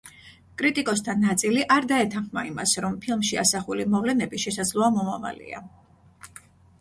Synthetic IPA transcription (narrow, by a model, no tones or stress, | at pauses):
kʼɾit̪ʼikʼɔst̪ʰanːat̪sʼiliʔaɾd̪aɛt̪ʰanχma̰ima̰sɾɔmpʰilˠmʃia̰saχulimɔvlɛnɛbiʃɛsad̪zlˠɔamɔmava̰lḭa̰